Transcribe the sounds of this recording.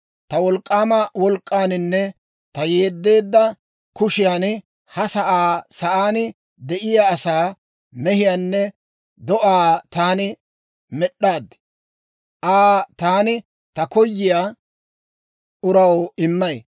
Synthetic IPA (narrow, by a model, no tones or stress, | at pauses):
t̪ɐwɔlkʼːaːmɐwɔlkʼːaːnɪnːɛ | t̪ɐje̞ːd̪ːe̞ːd̪ːɐ | kʊʃɪjaːn | hɐsɐʔaːsɐʔaːnɪ | d̪ɛʔɪjaːsaː | mɛhɪjaːnːɛ | d̪ɔʔaːt̪aːnɪ | mɛɗːaːd̪ | ʔaːt̪aːnɪ | t̪ɐkɔjːɪjaː | ʔʊɾɐwɪmːɐj